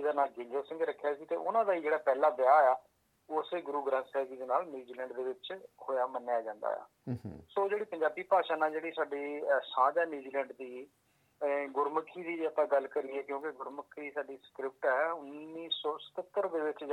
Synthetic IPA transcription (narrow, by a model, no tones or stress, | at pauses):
ɪd̪aːnaːlɡɪ̃ɲd͡ʒəlsɪ̃ŋɡɾəkʰːejaːsiːt̪ḛːʔʊnãːd̪aːiːd͡ʒeːɽaːpɛːlaːbɪaːjaː | ʊseːɡʊɾuːɡɾãːsɛːɡiːd̪eːnaːlnjuːd͡ʒiːlɛ̃ːɳɖd̪eːʋɪt͡ʃkʰoːjaːmənːejaːd͡ʒãːnd̪a̰ːja̰ːsoːd͡ʒeːɽiːpəɲd͡ʒaːbiːpaːʃaːnãːd͡ʒeːɽiːsaːɖiːsãːd͡ʒaːnjuːd͡ʒiːlɛ̃ːɳɖd̪iː | ɡʊɾməkʰːiːd̪iːəpãːɡəlkəɾiːɛːkjõːkɪɡʊɾməkʰːɾiːsaːɖiːsə̥kɾɪp̚ʈɛːʊnːiːsɔːsə̥t̪ət̪ːəɾd̪eːʋɪt͡ʃ